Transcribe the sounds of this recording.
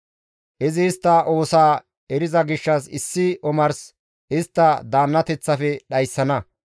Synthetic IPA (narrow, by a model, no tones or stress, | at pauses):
ʔɪzɪːst̪ːɐʔoːsaː | ɛɾɪzɐɡɪʃːɐsɪsːɪʔɔmɐɾs | ʔɪst̪ːɐd̪aːnːɐt̪ɛt͡sːɐfɛɗɐjsːɐnɐ